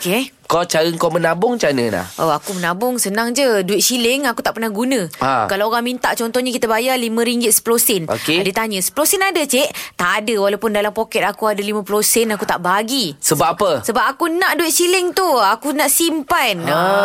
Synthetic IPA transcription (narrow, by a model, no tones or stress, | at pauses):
oke | kɔt͡ʃaɾəŋkamənabʊŋt͡ʃanə̰na̰hʔoakumənãbʊŋsənaŋd͡ʒəduɪt̪̚t͡ʃilɪŋakut̪aʔpərnahɡunə̃a̰kalaoɾaŋmint̪aʔt͡ʃɔnt̪ɔhɲakit̪əbajalimə̃ɾiŋɡɪt̪̚sə̥pəlosɛno̰kedət̪aɲə̃sə̥pəlosɛnadət͡ʃeʔt̪aʔːdəwalawpʊndalampokɛt̪̚akuadəlimãpəlosɛnakut̪aʔbaɡisəbaapəsəbapakunãʔduɪt̪̚t͡ʃilɪŋt̪uakunaʔsimpana